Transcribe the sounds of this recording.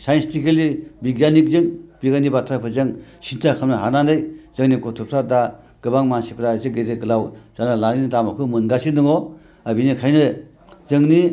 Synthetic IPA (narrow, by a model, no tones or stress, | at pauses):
sajnstʰikelibiɡjanik̚zɯŋb̥iɡanibatʰɾapʰɯzɯŋsintʰakʰamnaɦanandɯjz̥ɯŋnikɔtʰupʰsada | ɡ̥ɯbaŋmansipʰɾazɯɡeɾeɡɯlawz̥analanintamakʰɯmɯnɡasindɯŋɔ | abinikʰajnɯ | zɯŋni